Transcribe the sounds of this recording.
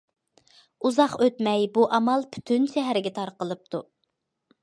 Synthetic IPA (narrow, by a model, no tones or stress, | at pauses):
uzɑqøt̪mɛjbuʔɑmɑlˠpʰy̥t̪ʰynʃɛɦæɾɪɡʲɛt̪ʰɑɾqəlˠɨp̚t̪ʰu